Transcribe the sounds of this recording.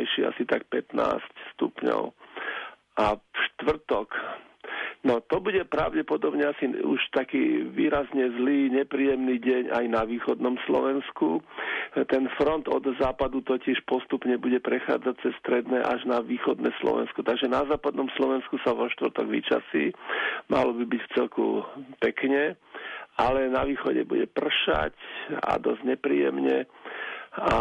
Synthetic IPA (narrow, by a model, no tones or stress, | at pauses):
jʃia̰sit̪ak̚pɛt̪na̰ːscst̪ṵpɲɔ̰ʊ | ʔafʃt̪ʋr̩t̪ɔk | nɔt̪ɔbuɟɛpɾaʊɟɛpɔd̪ɔbɲɛasiṵʃt̪akḭːʋiːɾazɲɛzliːɲɛpɾiːjɛmniːɟɛɲa̰jnaʋiːxɔd̪nɔmslɔ̰ʋɛnsku | t̪ɛnfɾɔnt̪ɔd̪zaːpad̪ut̪ɔcɪɛʃpɔst̪upɲɛbuɟɛpɾɛxa̰ːd͡zac̚t͡sɛst̪ɾɛd̪nɛːʔaʒnaʋiːxɔd̪nɛ̰slɔ̰ʋɛ̰nskut̪aɡʒɛnazaːpad̪nɔmslɔʋɛnskusaʋɔʃt̪ʋrt̪ɔɡʋḭt͡ʃa̰sḭːma̰lɔbibicft͡sɛlkṵpɛkɲɛʔalɛnaʋiːxɔɟɛ̰bṵɟɛpr̩ʃa̰ca̰d̪ɔzɲɛpɾḭːjɛ̰mɲɛ̰ | a